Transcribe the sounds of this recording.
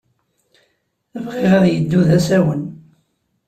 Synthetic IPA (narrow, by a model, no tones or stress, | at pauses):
æfqeʁɑðjəd̪ːuðæsæwən